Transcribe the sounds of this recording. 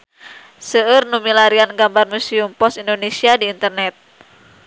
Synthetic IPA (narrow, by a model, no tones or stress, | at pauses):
səərnumilaɾianɡambarmuseumpɔsindonesiadiːnt̪ərnɛt̪̚